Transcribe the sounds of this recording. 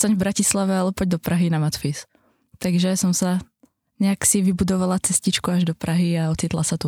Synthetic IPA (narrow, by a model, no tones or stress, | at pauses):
st̪aɲvbɾacislaʋɛalˠɛɔpɔɟ̚d̪ɔpɾaɦinamat̪fis | t̪aɡʒɛsɔmsa | ɲɛaksiʋibud̪ɔʋalat͡sɛscit͡ʃkuaʒd̪ɔpɾaɦiaɔt͡sit̪lasat̪u